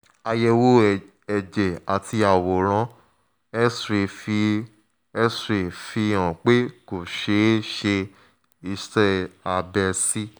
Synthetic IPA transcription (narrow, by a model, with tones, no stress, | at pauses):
a˧jɛ˧wo˦ | ɛ˨d͡ʒɛ˨a˨tʰi˧a˨wo˨ɾ̃ã˧˦ | ɛ˦sɾe˨fi˧ | ɛ˦sɾe˨fi˧ã˨k͡pe˦ko˨ʃe˨˦ʃe˧ | i˧stɛ˦a˧bɛ˧si˦